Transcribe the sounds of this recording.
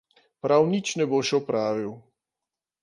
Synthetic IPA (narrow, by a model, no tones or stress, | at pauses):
pɾawnit͡ʃnɛboːʃɛɔpɾaːʋiw